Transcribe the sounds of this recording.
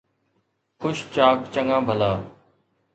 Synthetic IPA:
xʰʊʃt͡ʃaːkt͡ʃəŋãːbʱəlaː

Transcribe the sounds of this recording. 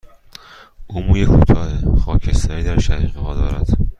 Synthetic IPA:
ʔuːmuːjekʰut̪ʰɒːhexɒːcʰest̪ɒːɾiːd̪æɾʃæɾiʁeɦɒːd̪ɒːɾæ̰d̪̥

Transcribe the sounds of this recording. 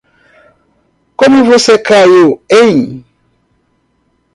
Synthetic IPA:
komivosɛkajoeɲ

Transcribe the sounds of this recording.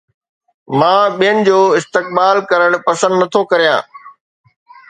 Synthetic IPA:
mãːɓijənɪ̆d͡ʑoːɪst̪ɪk̚baːlkɐɾəɽ̃pɐsə̃nd̪nɐt̪ʰokɐɾijã̰ː

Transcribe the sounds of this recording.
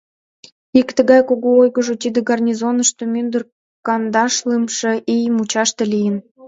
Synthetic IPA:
ikt̪ə̆ɣɑjkoɣoojɣə̆ʒot̪id̪ə̆ɡɑrnʲizonə̆ʃt̪omynd̪ər | kɑnd̪ɑʃlɨmʃĕʔijəmut͡ɕɑʃt̪ĕlijən

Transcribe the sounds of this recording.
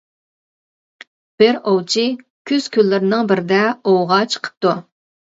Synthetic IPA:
b̥ɪɾowt͡ʃʰi | kʲʰyz̥kʲʰylːɪɾnɪŋbɪɾɪd̪ɛowʁɑt͡ʃʰə̥qʰə̥p̚t̪u

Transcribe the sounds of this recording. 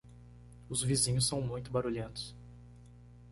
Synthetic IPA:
ʊzvizĩɲʊs̬ːɐ̃w̃mũj̃t̪ʊbaɾuʎẽnt̪ʊ̥s

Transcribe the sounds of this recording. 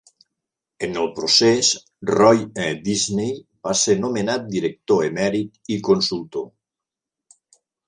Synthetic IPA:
enelpɾoses | rɔjed̪iznejbasenomenat̪̚d̪iɾek̚t̪oemɛɾit̪ikonsult̪o

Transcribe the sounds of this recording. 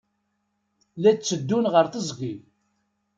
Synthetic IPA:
læt͡sːəd̪ːunʁəɾθəzˤɡil

